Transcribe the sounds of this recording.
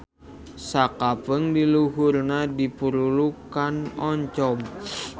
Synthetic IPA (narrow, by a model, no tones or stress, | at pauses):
sakapəŋdiluɦurnadipuɾulukanɔɲt͡ʃɔm